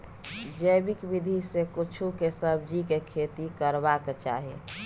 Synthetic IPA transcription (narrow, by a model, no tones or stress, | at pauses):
d͡ʒəjbikbid̪ʱisekut͡ʃʰukesəbd͡ʒikekʰet̪ikəɾbaket͡ʃa̰ːɦḛ